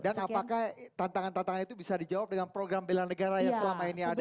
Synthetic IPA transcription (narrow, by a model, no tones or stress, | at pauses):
danapakaht̪ant̪aŋant̪ant̪aŋanit̪ubisadid͡ʒawap̚dəŋanpɾoɡɾambelanəɡaɾajasəlamainiad